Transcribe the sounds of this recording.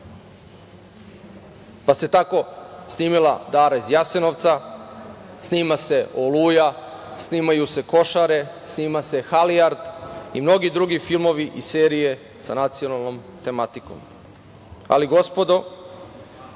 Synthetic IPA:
pase̞t̪ako̞sniːmila̰d̪aːɾezjaseno̞ʋt̪sa | sniːmase̞oluːja | sniːmajuse̞ko̞ʃaɾe̞ | sniːmase̞xaliaɾd̪imno̞ɡid̪ɾuɡifilˠmo̞ʋiʔise̞ːɾije̞ | sa̰nat̪sio̞nalˠno̞mt̪e̞mat̪iko̰m | a̰liɡo̞spo̞d̪o

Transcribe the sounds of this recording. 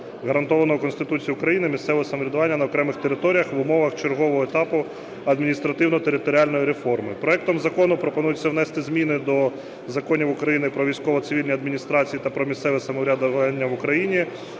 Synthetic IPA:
ɣɐɾɐnt̪ɔʋɐnɔɦɔkɔnst̪ɪt̪ut͡sʲijʊkɾɐjinɪmʲist̪sɛʋɔɔsɐmɔɾʲɪɐd̪ʊʋɑnʲːɐnɐɔkɾɛmɪxt̪eɾɪt̪ɔɾʲijɐxʋʊmɔʋɐxt͡ʃerɦɔʋɔɦɔet̪ɑpʊ | ɐd̪mʲinʲist̪ɾɐt̪ɪwnɔt̪eɾɪt̪ɔɾʲialʲnɔjiɾefɔrmɪpɾɔɛk̚t̪ɔmzɐkɔnʊpɾɔpɔnujʊt͡sʲːɐwnɛst̪ɪzʲmʲinɪd̪ɔ | zɐkɔnʲiwʊkɾɐjinɪpɾɔʋʲijsʲkɔʋɔt̪sɪʋʲilʲnʲijɐd̪mʲinʲist̪ɾɑt͡sʲijit̪ɐpɾɔmʲissɛʋɛsɐmɔɾʲad̪ʋɑnʲːɐʋʊkɾɐjinʲi

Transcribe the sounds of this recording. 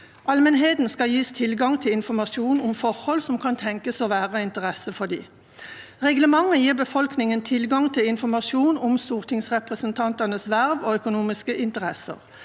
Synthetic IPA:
ʔɑlmənɦeːt̪n̩skɑjiːst̪ʰɪlɡɑŋt̪ʰɪlɪnfɔmɑʃuːnʊmfɔʁhɔlsɔmkʰɑnt̪ʰɛŋkəsoːʋæːʁəɪnt̪əʁɛsəfɔd̪ḭː | ʁɛɡləmɑŋːəjiːʁbəfɔlknɪŋənt̪ʰɪlɡɑŋt̪ʰɪlɪnfɔmɑsuːnʊmst̪uːʁt̪ʰɪŋsʁɛpʁəsənt̪ʰɑnt̪ənəsʋæʁʋoːœkʊnuːmɪskəʔɪnt̪əʁɛsə̰ʁ

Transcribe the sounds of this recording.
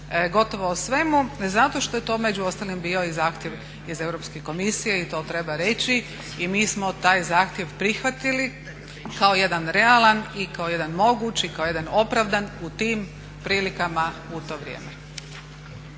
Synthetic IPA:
ɡo̞t̪o̞ʋoosʋe̞muzat̪o̞ʃt̪o̞je̞t̪o̞ːmed͡ʑuost̪alimbiːo̞izaːxt̪jeʋ | ize̞ʋɾo̞pskeko̞misijeit̪o̞ːt̪ɾe̞baɾe̞t͡ɕi | imiːsmo̞t̪aːjzaːxt̪jeʋpɾixʋat̪ili | kaoje̞d̪anɾe̞alˠanikao̞je̞d̪anmo̞ɡut͡ɕikaoje̞d̪ano̞pɾaʋd̪anut̪iːm | pɾiːlikamaut̪o̞ːʋɾʲjḛːme

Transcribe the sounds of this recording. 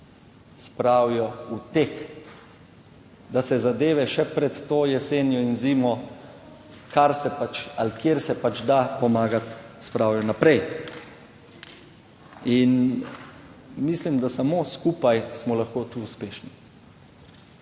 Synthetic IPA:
spɾawjɔut̪ek | d̪asɛzad̪eːʋɛʃɛpɾɛt̪ːoːjɛseːnjɔinziːmɔ | kaɾsɛpat͡ʃalkjeɾsɛpat͡ʃd̪apɔmaːɡat̪spɾawjɔnapɾɛj | in | mislimd̪asamoːskuːpajsmɔlaxkoːt̪uːspeːʃni

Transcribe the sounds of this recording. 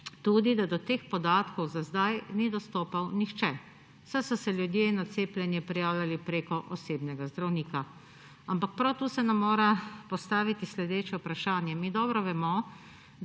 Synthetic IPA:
t̪uːd̪id̪ad̪ɔt̪eːxpɔd̪aːt̪kɔwzazd̪ajnid̪ɔst̪oːpawnixt͡ʃɛ | sajsɔsɛljud̪jeinːaseːplʲjɛnjɛpɾijaːwlʲalipɾekɔʔɔseːbnɛɡazd̪ɾawniːka | ampak̚pɾawt̪uːsɛnamːoːɾapɔst̪aːʋit̪islɛd̪eːt͡ʃjɛupɾaʃaːnjɛmid̪ɔbɾɔʋɛmɔ

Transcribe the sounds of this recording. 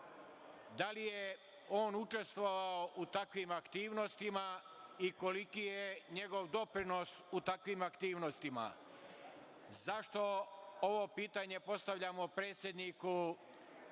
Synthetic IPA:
d̪alije | o̞ːnut͡ʃe̞st̪ʋoʋaoʔut̪akʋimakt̪iːʋno̞st̪ima | iko̞likijeɲe̞ɡo̞ʋd̪o̞pɾinosut̪akʋimakt̪iːʋnost̪ima̰ | zaʃt̪o̞o̞ʋo̞piːt̪aɲe̞po̞st̪aʋʎamo̞pɾeːt̪sjed̪niku

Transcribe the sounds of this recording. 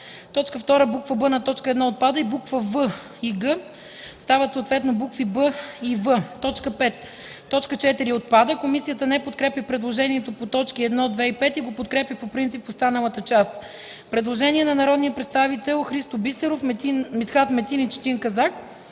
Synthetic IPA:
t̪ɔt͡ʃkəft̪ɔɾəbukvəbɤnɐt̪ɔt͡ʃkəɛd̪nɔot̪̚pad̪əibukvəvə | iɡə | st̪avət̪soːt̪vɛt̪nobukvibəivət̪ɔt͡ʃkəpɛt̪ː | ɔt͡ʃkət͡ʃɛt̪iɾiot̪̚pad̪əkomisijət̪ənɛpot̪kɾɛpʲipɾɛd̪lˠoʒɛniɛt̪opot̪ɔt͡ʃkiɛd̪nɔd̪vɛipɛt̪iɡopot̪kɾɛpʲipopɾint̪sipost̪anəlˠət̪ət͡ʃas | pɾɛd̪lˠoʒɛniɛnɐnɐɾɔd̪nijəpɾɛt̪st̪avit̪ɛlˠxɾist̪obisɛɾofmit̪xat̪mɛt̪init͡ʃt̪iŋkɐzak

